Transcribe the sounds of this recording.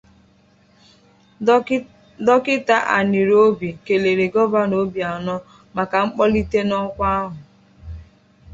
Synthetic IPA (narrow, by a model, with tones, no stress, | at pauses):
dɔ˦kɪ˦ta˦ʔa̰˨ni˨ɾo˦bi˨ke˨le˨ɾe˨ɡɔ˦ba˦no˦bi˨a˨nɔ˦ | ma˨ka˨ŋ͡m̩˦k͡pɔ˦li˦te˦nɔ˦kʷa˦a˦ɦʊ˨